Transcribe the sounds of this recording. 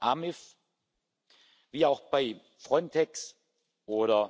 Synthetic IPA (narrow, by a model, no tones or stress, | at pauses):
ʔamɪf | viːaʊxb̥aɪ | fʁ̥ɔntʰɛks | ʔoːɾɐ